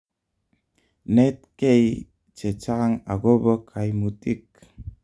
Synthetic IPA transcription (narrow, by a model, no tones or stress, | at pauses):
nɛt̪̚kej | t͡ʃet͡ʃaŋaɡobəkʰajmut̪ik̚